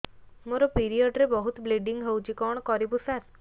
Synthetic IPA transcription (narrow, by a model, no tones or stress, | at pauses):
moɾɔpiɾijɔɖɾebɔɦut̪bleɖiŋɡɦewt͡ʃikɔɳ̃kɔɾibusaɾ